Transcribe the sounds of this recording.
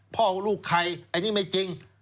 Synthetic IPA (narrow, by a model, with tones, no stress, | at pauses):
pʰɔː˥˩wluː˥˩kʰːa˧jʔa˧nːiː˦˥˩ma˥˩jt͡ɕi˧ŋ